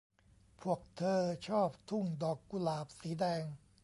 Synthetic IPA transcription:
pʰu˥˩ək̚t̪ʰɤː˧t͡ɕʰɔː˥˩p̚t̪ʰu˥˩ŋdɔː˨˩kːu˧laː˨˩p̚siː˩˦dɛː˧ŋ

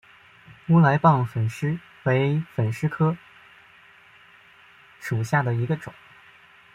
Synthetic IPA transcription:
u˥la˧˥ɪpɑ˥˩ŋfə˨˩nʂɻ̩˥ | we˧˥ɪfə˨˩nʂɻ̩˥kʰɤ˥ | ʂu˨˩ɕja˥˩d̪ə˩i˧˥ɡə˧ʈ͡ʂʊ̰˨˩˦ŋ

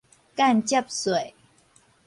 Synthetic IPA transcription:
ka˥˨nt͡ɕə˥˩p̚swe˨˩˨j

